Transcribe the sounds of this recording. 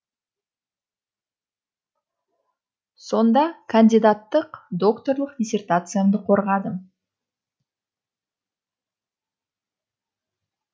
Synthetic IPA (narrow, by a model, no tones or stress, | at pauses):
so̞nd̪ɑkʰɐnʲd̪ʲijd̪at̪ːəqd̪o̞kt̪o̞rlˠəqd̪ʲisʲe̞rt̪at̪sɨjamd̪əqʰo̞ɾʁɑd̪ə